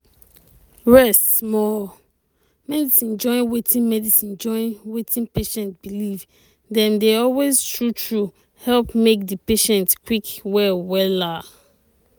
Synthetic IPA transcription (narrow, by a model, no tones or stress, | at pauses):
ɹɛstmɔ | mɛdisĩnd͡ʒɔ̃ɪ̃nwetʰĩnmɛdisĩnd͡ʒɔ̃ɪ̃nwetʰĩnpeʃɛ̃ntb̥iliv | dɛ̃ndeɔlweztɹutʰɹu | hɛlpmek̚dəpeʃɛ̃ntkwikwɛwɛla